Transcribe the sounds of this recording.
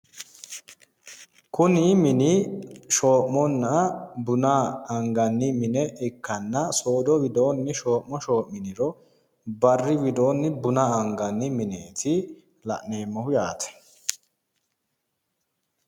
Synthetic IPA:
kʊnɪmɪnɪʃo̞ːʔmɔnːɐbʊnaɐŋɡɐnːɪmɪnɛʔɪkːɐnːɐso̞ːd̪ɔwɪd̪o̞ːnːɪʃo̞ːʔmɔʃo̞ːʔːɪnɪɾɔ | bɐrːɪwɪd̪o̞ːnːɪbʊnaɐŋɡɐnːɪmɪneːt̪ɪ | lɐ̰ʔneːmːɐhʊjaːt̪ɐ̥

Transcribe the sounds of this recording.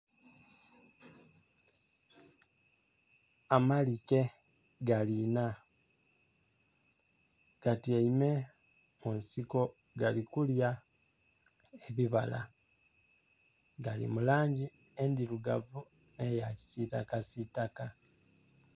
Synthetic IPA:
amalike̞ | ɡalina | ɡ̥atieime | monsiko̞ | ɡalikulja | eβiβala̰ | ɡalḭmulaːɲɟi | endiɾuɡa̰vu | ne̞jaci̥sitakasitaka

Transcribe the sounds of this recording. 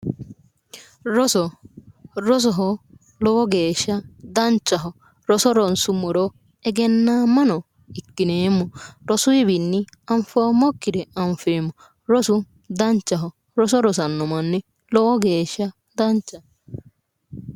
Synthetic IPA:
ɾɔsɔ | ɾɔs̬ɔɦɔ | lɔwɔɡeːʃɐd̪ant͡ʃːɐɦɔ | ɾɔsɔɾɔnsumɔɾɔ | ɛɡɛnːamɐnɔ | ɪkːɪneːmːɔɾɔsʊibinːɪ | ɐɱfɔmɔkːɪɾɛɐɱfeːmːɔ | ɾɔsu | d̪ɐnt͡ʃːɐɦɔ | ɾɔsɔɾɔs̬ɐnːɔmɐnːi | lɔwɔɡeːʃɐ | d̪ɐnt͡ʃːɐ

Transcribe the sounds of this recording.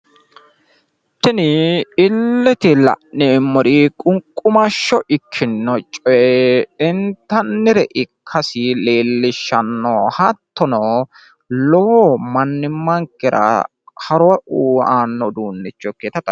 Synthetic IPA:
t̪ːɪnɪɪlːɛt̪ɪlɐ̰ʔnɛmːɔɾikʼʊŋkʼːʊmɐʃːɔʔɪkʰːɪnːɔt͡ʃʼɔjɛɪnt̪ːɐnːɪɾɛʔɪkʰːɐsɪleːlːɪʃːɐnːɔhɐt̪ːɔnɔ | lɔmɐnːɪmːɐŋkːɪɾɐ̰ | hɐɾɔwɐʔuːaːnːɔd̪uːnːɪt͡ʃːɔkeːt̪ɐt̪ːɐ

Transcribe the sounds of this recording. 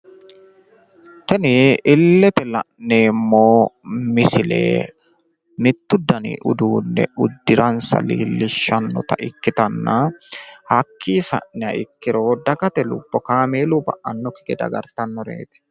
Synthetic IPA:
t̪ɛnɪʔɪlːɛt̪ɛlɐ̰ʔneːmːoːmɪsɪlḛː | mɪt̪ːʊd̪ɐnḭːʔʊ̰d̪uːnːɛ̰ʔʊd̪ːɪɾɐnsɐ̰lḭːlːɪʃːɐnːɔ̰t̪ɐ̰ʔɪkːɪt̪ɐnːɐhɐkʰːiːsɐ̰ʔnɛɐʔɪkːɪɾoːd̪ɐɡɐt̪ɛlʊ̰bːɔkaːmeːlubɐ̰ʔɐnːɔkɪ̥ɡɛd̪ɐ̰ɡɐɾt̪ɐnːɔɾḛːt̪ɪ̥

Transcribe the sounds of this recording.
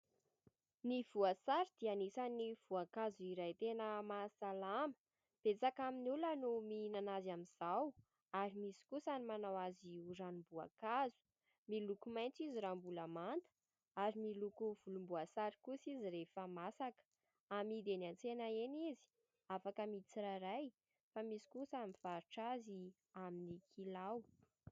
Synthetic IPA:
niv̥uasaɾid̪̥ianisaniv̥uakazuiɾajt̪enəmasalamə̥ | b̥et͡sakaminulənuminanazamiz̥aw | aɾimisi̥kusanimanawaziuɾanumbua̰kazu̥ | milukumajnt͡siziɾambuləmant̪ə̥ | aɾimilukuvulumbuasaɾikusiziɾefəmasakə̥ | amid̪enant͡senaenizi̥ | afakəmit͡siɾaɾaj | famisi̥kusamiv̥aɾuʈ͡ʂazi | aminikʰilaw

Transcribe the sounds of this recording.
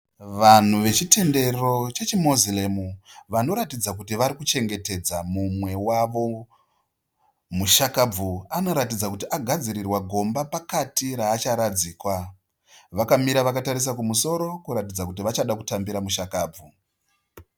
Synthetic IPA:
ʋan̤uʋe̞t͡ʃite̞nde̞ro̞t͡ʃe̞t͡ʃimozilemuʋano̞ɾatid͡zak̬utiʋaɾikut͡ʃe̞ŋɡe̞te̞d͡zamumwe̞waʋo̞ | muʃakab͡vuano̞ɾatid͡zakutiʔaɡʱad͡ziɾirwaɡʱo̞mbapakatiɾaːt͡ʃaɾad͡ziːkwa | ʋakamiɾaʋakataɾis̬akumuso̞ɾo̞kuɾatid͡zakutiʋat͡ʃaɗakutambiɾamuʃakaːb͡vu

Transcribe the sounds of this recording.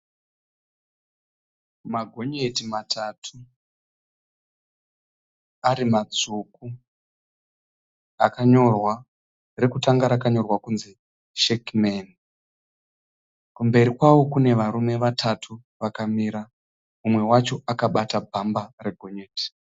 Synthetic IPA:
maɡʱo̞ɲetimatʰatʰu | aɾimad͡zuk̚u | akaɲo̞rwa | re̞kutaŋɡaɾakaɲo̞rwakunzi | ʃekmen | kumbe̞ɾikwawo̞kune̞ʋaɾume̞ʋatʰatʰu | ʋakamiɾa | umwe̞wat͡ʃo̞ʔakaɓatabʱambare̞ɡʱo̞ɲeːti̥

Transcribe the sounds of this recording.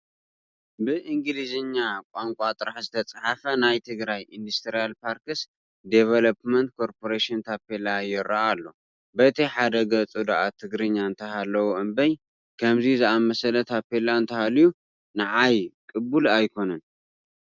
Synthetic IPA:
bɨʔɨŋɡɨliziɲːakʷʼaŋkʷʼat̪ʼɨɾaħzɨt̪ʰɐt͡sʼaħafɐnajt̪ʰɨɡɾajʔind̪ust̪ʰɾijalpʰaɾkɨs | d̪evɐlɐpmɐnt̪̚kʰo̞ɾpʰo̞ɾeʃɪnt̪ʰapelajɪɾaʔalːo̞ | bɐt̪ʰiħad̪ɐɡɐt͡sʼud̪aʔat̪ʰɨɡɾɨɲːaɨnt̪ʰɐɦalːɐwuʔɨmbɐj | kʰɐmzizɨamɐsɐlɐt̪ʰapelaɨnt̪ʰɐhaliju | naʕajkʼɨbulajkʰo̞nɐn

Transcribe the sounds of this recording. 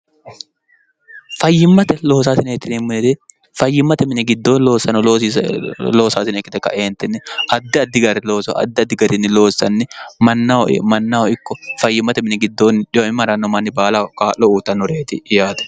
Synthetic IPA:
fɐjːɪmːɐt̪ɛlo̞ːs̬aːsɪnɛk̪ːɪnmːɪnɪt̪ɪ | fɐjːɪmːɐt̪ɛmɪnɛɡɪd̪ːo̞ːnlo̞ːsːɐnɔloːsilo̞ːsaːsɪnɛkːɪt̪ɛkːɐ̰ʔeːnt̪ːɪnːɪʔɐd̪ːɪɐd̪ːɪɡɐɾɪlo̞ːsɔ̰ʔɐ̰d̪ːɪɐd̪ːɪɡɐɾɪnːɪlo̞ːsːɐnːɪmɐnːaw̰mɐnːawɔɪkːɔfɐjːɪmːɐt̪ɛmɪnɛɡɪd̪ːoːnᶑɪjomɪmɐɾɐnːɔmɐnːɪbaːlakaːʔlɔuːt̪ːɐnːɔɾeːt̪ɪjaːd̪ɛ̥

